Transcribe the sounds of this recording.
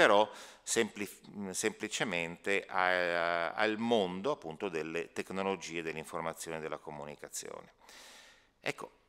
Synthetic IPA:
eɾɔsemplisemplit͡ʃement̪eʔa | a̰lmond̪oapːunt̪od̪elːet̪eknolod͡ʒiːed̪elːeiɱformat̪sːjoːned̪elːakomunikat̪sːjo̰ːne | ɛ̰kːo̰

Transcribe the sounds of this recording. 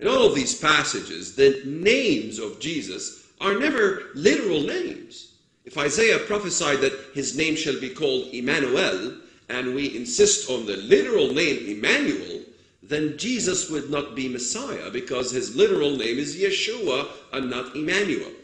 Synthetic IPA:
ɨ̃nɔlˠʌvðiz̥pʰæsɨd͡ʒɪ̰zðɨnẽɪ̃mzʌvd͡ʒizɨ̰s | ʔə˞nɛvə˞lɪɾə˞l̩ˠnẽɪ̃mz̥ | ɨfaɪzeɪɨpʰɹ̥ɑfɨsaɪd̪̚ðɨt̚hɨznẽɪ̃mʃɨlˠbikʰɔlˠdɨmænuɛlˠ | ʔɨ̃nwiʔɨ̃nsɪstn̩ðɨlɪɾə˞l̩ˠnẽɪ̃mɨmæ̃njṵl̩ˠ | ðɨ̃nd͡ʒizəswʊdⁿnət̚b̥imɨsaɪɨ̰bɨkʰʌz̥ɨzlɪɾə˞l̩ˠnẽɪ̃mɨzjɛʃuəʔə̃nːəɾɨmæ̃njṵl̩ˠ

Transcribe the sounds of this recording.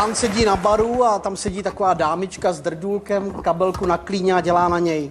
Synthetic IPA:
ansɛɟiːnabaɾuat̪amsɛɟiːt̪akovaːdaːmɪt͡ʃkazd̪r̩duːlkɛmkabɛlkunakliːɲɛaɟɛlaːnaɲɛj

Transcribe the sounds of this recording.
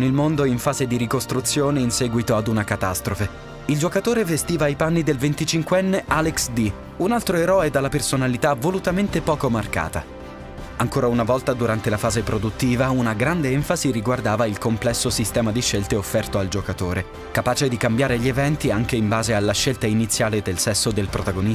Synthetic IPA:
nilmond̪oiɱfaːzed̪iɾikost̪ɾut̪sːjoːneinsɛːɡwit̪oad̪unakat̪ast̪ɾofe | ild͡ʒokat̪oːɾevest̪iːvaipanːid̪elvent̪it͡ʃiŋkweɛnːealeksd̪i | unalt̪ɾoeɾɔːed̪alːapersonalit̪avolut̪ament̪epɔːkomarka̰ːt̪a̰ | aŋkoːɾaunavɔlt̪ad̪uɾant̪elafaːzepɾod̪ut̪ːiːvaunaɡɾand̪eɛɱfaziɾiɡward̪aːvailkomplɛsːosist̪ɛːmad̪iʃːelt̪eofːɛrt̪oald͡ʒokat̪oːɾe | kapaːt͡ʃed̪ikambjaːɾeʎːievɛnt̪iaŋk̟eimbaːzealːaʃːelt̪ainit̪sːjaːled̪elsɛsːod̪elpɾot̪aɡoni

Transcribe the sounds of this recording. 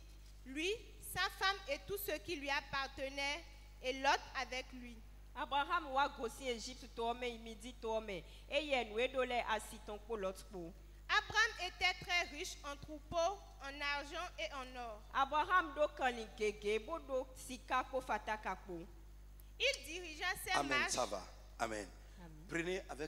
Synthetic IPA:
lɥi | safamet̪usøkilɥiapaʁt̪ənɛʁ | elɔt̪avɛklɥi | abɾaɦamwaɡosĩeʒip̚t̪t̪owɔmɛ̃jimĩdit̪owɔmɛ̃ | ejɛnũeɖolɛʔasit̪ɔ̃k͡polɔt̪k͡po | abʁamet̪ɛt̪ʁɛʁiʃɑ̃t̪ʁupo | ɑ̃naʁʒɑ̃eɑ̃nɔʁabɾaɦamɖokãlĩɡeɡeboɖosikakofat̪akak͡po | ildiʁiʒasɛmaʃava̰ | a̰mɛ̰̃n | pɾineʔavɛ

